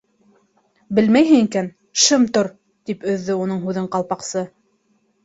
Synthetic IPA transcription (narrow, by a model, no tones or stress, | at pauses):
bɘlmæjɦɘŋikæn | ʃɤmt̪oɾ | t̪ipɵ̆ðːɵunɤɴɦʉðɘɴqɑlˠpɑqsɤ